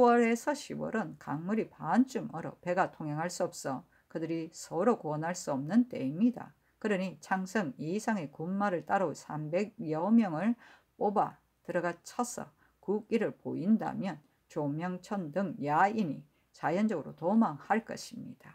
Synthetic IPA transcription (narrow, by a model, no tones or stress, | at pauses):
wʌɾe̞sʰʌɕʰibwʌ̰ɾɯnkaŋmuɾipant͡ɕ͈umʔʌɾʌpe̞ɡatʰoŋɦeŋɦaɭs͈uʌp̚s͈ʌ | kɯdɯɾisʰʌɾokuʌnɦaɭs͈uʌmnɯnt͈e̞̰imɲida̰ | kɯɾʌɲit͡ɕʰaŋsʰʌŋisʰaŋe̞kummaɾɯɭt͈aɾʌusʰambe̞ɡ̚jʌmjʌŋɯɭ | p͈oba | tɯɾʌɡat͡ɕʰʌsʰʌ̰ | kuk͈iɾɯɭpo̰inda̰mjʌn | t͡ɕomjʌŋt͡ɕʰʌndɯŋjainḭ | t͡ɕajʌnd͡ʑʌɡɯɾotomaŋhaɭk͈ʌɕʰimɲid̥a